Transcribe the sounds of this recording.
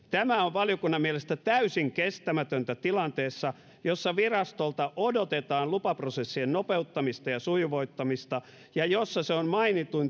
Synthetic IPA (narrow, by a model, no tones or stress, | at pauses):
t̪æmæoʋʋɑlijokunːɑmmielest̪æt̪æysiŋkest̪æmæt̪ønt̪æt̪ilɑnt̪eːsːɑ | josːɑʋirɑst̪olt̪ɑʔodot̪et̪ɑːnlupɑprosesːiennopeut̪ːɑmist̪ɑjɑsuiʋoit̪ːɑmist̪ɑ | jɑjosːɑseonmɑinit̪ːun